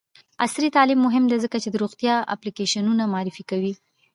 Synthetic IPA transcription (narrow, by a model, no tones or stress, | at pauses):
asɾit̪ɑlimːʊɦɪmd̪ezəkat͡ʃed̪əɾoɣt̪jɑa̰plikeʃanunamɑɑɾɪfikawi